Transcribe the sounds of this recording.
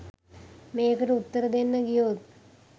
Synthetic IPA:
meːkɐɾut̪ːɐɾɐd̪enːɐɡijoːt̪̚

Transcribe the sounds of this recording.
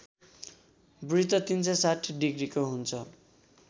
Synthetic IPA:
brit̪ʌt̪int͡sʰʌsaʈʰɖiɡrikoɦunt͡sʰʌ

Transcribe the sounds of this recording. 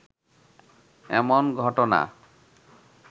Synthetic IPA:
ɛmonɡʱɔʈona̰

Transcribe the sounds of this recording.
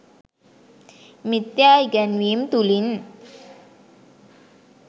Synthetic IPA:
mit̪jajɡɛnwimt̪ulin

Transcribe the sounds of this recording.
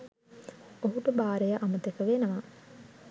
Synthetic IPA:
oɦuʈəbaːɾejaʔamət̪ekəʋeːnəʋa

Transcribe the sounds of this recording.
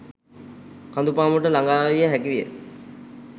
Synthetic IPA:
kand̪upaːmuʈəlaŋɡaːʋijəɦækiʋijə̰

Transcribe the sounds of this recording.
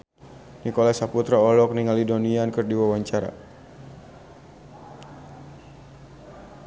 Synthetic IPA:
nikɔlasaput̪ɾaɔlɔk̚niŋalidoniankɨrdiwawaɲt͡ʃaɾa̰

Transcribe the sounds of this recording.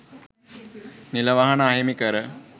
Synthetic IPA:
nilɐʋɐɦɐɳaːjɐmikɐɾɐ

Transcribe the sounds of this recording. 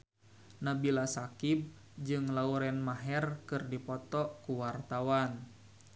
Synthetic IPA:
nabilasakib̚ | d͡ʒɨŋlauɾɛnmaɦɛrkɨrdipɔt̪ɔkuwart̪awan

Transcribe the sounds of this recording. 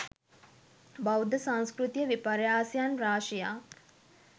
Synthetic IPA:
bawd̪əsãŋskrut̪ijəʋipaɾjaːsjanraːʂija̰ː

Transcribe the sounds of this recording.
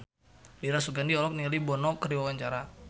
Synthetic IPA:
liɾasuɡandiɔlɔk̚nialibɔnɔkəɾiwawaɲt͡ʃaɾa

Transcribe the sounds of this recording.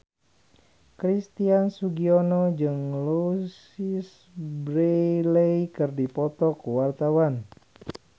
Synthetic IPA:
kɾist̪iansuɡiɔnɔd͡ʒɨŋlus | is | bɾeleikɨrdipɔt̪ɔkuwart̪awan

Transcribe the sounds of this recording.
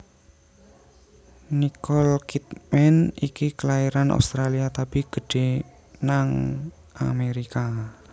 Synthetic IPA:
nikɔlkit̪mɛnikikəlaiɾanʔa̰wst̪ɾaliat̪apiɡ̥ə̤ɖ̥e̤ | naŋ | ʔa̰meɾika

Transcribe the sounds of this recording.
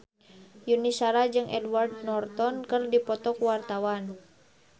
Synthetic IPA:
junisaɾad͡ʒɨŋʔɛdwardnɔrt̪ɔnkərdipɔt̪ɔkuwart̪awan

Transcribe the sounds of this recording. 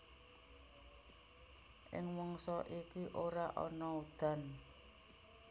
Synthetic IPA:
ʔɪ̰ŋwɔŋsɔʔikiʔoɾaʔɔ̰nɔud̪̥a̤n

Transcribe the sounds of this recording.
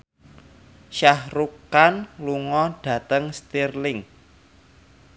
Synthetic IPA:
ʃahɾukanluŋɔɖ̥ä̤t̪əŋst̪irlɪŋ

